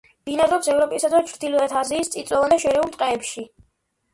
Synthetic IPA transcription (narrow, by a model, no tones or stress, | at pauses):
md̪inaɾɔpsɛvɾɔpʼisad̪vat͡ʃʰɾd̪ilɔɛt̪ʰaziːst̪sʼit̪sʼɔvand̪aʃɛɾɛulˠt̪ʼqʼɛːpʃi